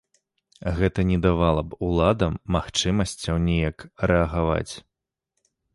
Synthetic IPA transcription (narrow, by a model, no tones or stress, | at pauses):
ɣɛt̪ɐnʲɛd̪avalˠɐbulˠad̪ɐmːaxt͡ʂɨmɐsʲt͡sʲɐwnʲɛjɐkrɛɐɣava̰t͡sʲ